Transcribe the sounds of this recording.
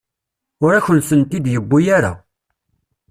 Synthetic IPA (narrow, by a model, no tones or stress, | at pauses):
ʊɾæçənsənt̪id̪jəbːujaɾa̰